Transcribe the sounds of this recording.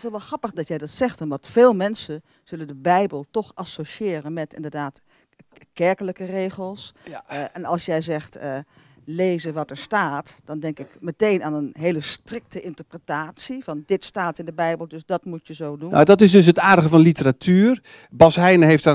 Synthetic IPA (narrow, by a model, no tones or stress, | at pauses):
ɪsɔʋɛlˠχrɑpəχdɑtjɛjdɑtsɛχtənʋɑntfeːlˠmɛnsə | z̥ɵləndəbɛjbəlˠtɔχʔɑsoʃɪːrənmɛtɪ̰ndəɹdaːt | kɛɹkələkərejχəlˠsʔɛnɑlˠsjɛjzɛχt | lejzəʋɑtəɹstaːtd̥ɑndɛŋkɪkmətejnaːnənɦeːləstrɪk̚təʔɪntəɹprətaːtsivɑndɪtstaːtɪndəbɛjbəlˠdɵsdɑtmutjəzowdun̰dɑtɪsdɵsɦətaːɹdəχəvɑnlitəɾatʰyːr | bɑsɦɛjnəɦejfta